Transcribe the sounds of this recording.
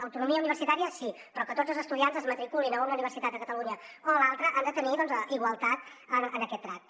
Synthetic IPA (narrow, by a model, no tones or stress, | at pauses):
əwt̪unumiəuniβ̞ərsit̪aɾiəsi | pɾɔkət̪od͡zəlˠzəst̪uðianzəzmət̪ɾikulinəunəuniβəɾsit̪at̪əkət̪əluɲəoəlalˠt̪ɾəʔand̪ət̪əniðɔnziɣwəlˠt̪at̪ənənəkɛt̪̚d̪ɾat̪̚